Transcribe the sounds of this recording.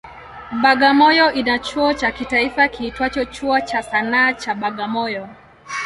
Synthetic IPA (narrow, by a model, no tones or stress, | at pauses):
ɓaɠamɔjɔʔinat͡ʃuɔt͡ʃakitaifakiitwat͡ʃɔt͡ʃuɔt͡ʃasanaːt͡ʃaɓaɠamɔjɔ